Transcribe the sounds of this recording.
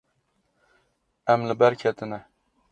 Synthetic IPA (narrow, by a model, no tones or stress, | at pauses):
æmlɪbæɾkʲʰɛt̪ʰɪnæ